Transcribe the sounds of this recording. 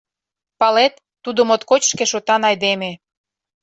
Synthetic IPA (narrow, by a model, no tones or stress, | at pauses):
pɑlet̪ːud̪omot̪kot͡ɕʃkeʃot̪ɑnɑjd̪eme